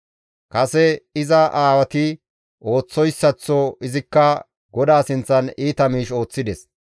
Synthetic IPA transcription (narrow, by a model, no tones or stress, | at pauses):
kɐsɛɪzɐʔaːwɐt̪ɪ | ʔo̞ːt͡sːɔjsːɐt͡sːɔɪzɪkːɐ | ɡɔd̪aːsɪnt͡sːɐniːt̪ɐmiːʃo̞ːt͡sːɪd̪ɛs